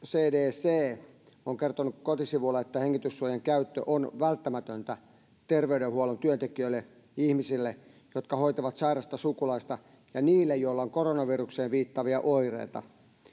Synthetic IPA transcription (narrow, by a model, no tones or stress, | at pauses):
seːdeːseː | oŋkert̪onukkot̪isiʋulːɑet̪ːæheŋːit̪ysːuojeŋkæyt̪ːø̰ʔonʋælt̪ːæmæt̪ønt̪æ | t̪erʋeydehuolont̪yønt̪ekijøilːe | ihmisilːe | jot̪kɑhoit̪ɑʋɑt̪sɑirɑst̪ɑsukulɑist̪ɑ | jɑniːlːejoilːɑoŋkoronɑʋirukseːnʋiːt̪ːɑʋiɑʔoirḛit̪ɑ̰